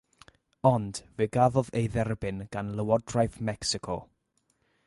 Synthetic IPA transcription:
ɔnd̥veːɡaðɔðejðɛrbɪnɡ̥anləwɔdrajθmɛksɪkʰɔ

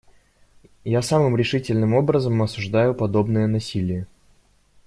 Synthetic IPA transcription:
jasamɨmɾʲɪʂɨtʲɪlʲnɨmo̞bɾəzəmɐsʊʐd̪ajʊpɐd̪o̞bnɨjənɐsʲilʲɪjə

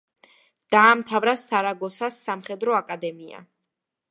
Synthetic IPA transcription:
d̪̥aːmt̪ʰavɾasaɾaɡɔsasːamχɛd̪ɾɔakʼad̪ɛmia̰

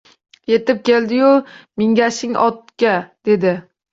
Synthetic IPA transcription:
je̞t̪ɪp̚kʲe̞ld̪ɪjʊmɪŋɡʲaʃɪŋʔɒ̰t̪̚kʲad̪̥e̞d̪ɪ

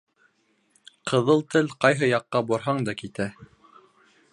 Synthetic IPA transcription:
qʰɤ̆ðɤlˠt̪ɘlqɑjɦɤjɑqːɑbuɾɦɑɴd̪ɑkit̪æ

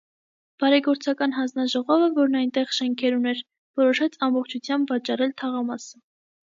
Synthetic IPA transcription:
b̥ɑɾɛɡɔɾt͡sʰɑkɑn̪ɦɑnd͡znɑʒɔʁɔvəvɔɾnɑjnt̪ɛʁʃɛŋkʰɛɾunɛɾ | vɔɾɔʃɛt͡sʰɑmbɔχt͡ʃʰut͡sʰjɑmbvɑt͡ʃɑɾɛlt̪ʰɑʁɑmɑsə

